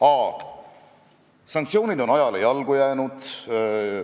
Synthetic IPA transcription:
ɑː | sɑŋkt̪sio̞ːnid̪o̞nɑjɑlejɑlɡ̥ujæːnud̪̥

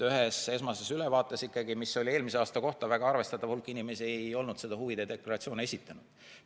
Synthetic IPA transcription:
yɦese̞smɑse̞sylɛvɑːt̪ːˑesikːˑɑɡimisːo̞lʲie̞ːlmiseɑːst̪ɑko̞ht̪ɑvæɡ̥ɑɑrve̞st̪ɑt̪ːˑɑvhulkːˑinimesiejo̞lnud̪̥se̞d̪̥ɑhuvid̪̥ed̪e̞klɑɾɑt̪sio̞ːne̞sʲit̪ːˑɑnud̪̥

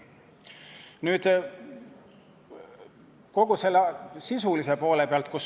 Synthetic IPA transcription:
nyːd̪̥ | ko̞ɡ̥uselːɑsisulise̞po̞ːle̞peɑlt̪̚kus

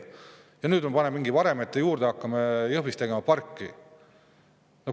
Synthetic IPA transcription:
jɑnyːd̪mepɑnemiŋɡ̥ivɑɾe̞met̪ːejuːɾd̪eɑkːɑmejɤhvist̪eɡ̥e̞mɑpɑrkːi | no

